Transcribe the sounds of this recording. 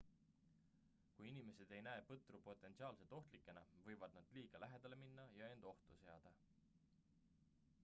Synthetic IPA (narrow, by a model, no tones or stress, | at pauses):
kujinime̞se̞d̪̥e̞jnæeːpɤt̪ˑrupo̞t̪ːˑe̞nt̪siɑːlse̞t̪ːo̞ht̪likːˑe̞nɑvɤ̞jvɑd̪̚nɑd̪̥liːɡ̥ɑlæɦe̞d̪̥ɑle̞minːɑjɑe̞nd̪̥o̞ht̪use̞ɑd̪̥ɑ